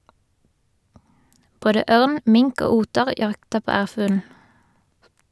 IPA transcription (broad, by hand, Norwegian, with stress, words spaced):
ˈboːdə ˈøːʁn ˈmɪŋk ˈoː ˈuːtəʁ ˈjɑktəʁ ˈpoː ˈæːʁfʉːln̩